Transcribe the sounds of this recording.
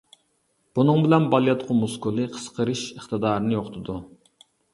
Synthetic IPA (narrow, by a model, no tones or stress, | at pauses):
b̥unɨŋbɪlɛnbɑlˠijɑt̪qʰʊmuskulˠɨqʰə̥sqʰəɾɨʃəχt̪ɨd̪ɑːɾnɨjoqt̪ʰɨd̪u